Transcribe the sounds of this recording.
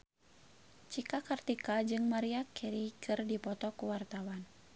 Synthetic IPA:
t͡ʃikakart̪ikad͡ʒɨŋmaɾiakʰɛɾikʰɨrdipɔt̪ɔkuwart̪awan

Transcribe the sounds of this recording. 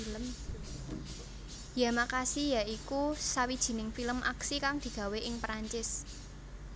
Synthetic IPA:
ləm | jamakasijaikusawid̥ʒ̥i̤nɪŋfiləmʔa̰ksikaŋd̪̥i̤ɡ̥a̤weʔɪŋpɾaɲt͡ʃɪs

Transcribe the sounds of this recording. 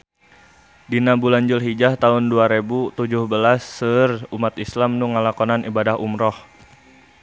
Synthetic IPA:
dinabulaɲd͡ʒʊlɦid͡ʒaht̪aʊnduaɾebut̪ud͡ʒʊhbəlasːərumat̪islamnuŋəlakɔnanibadaɦumɾɔh

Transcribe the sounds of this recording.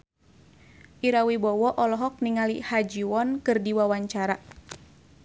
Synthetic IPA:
ʔiɾawibɔwɔʔɔlɔɦɔk̚niŋalḭhad͡ʒiwɔnkɨrdiwawaɲt͡ʃaɾa

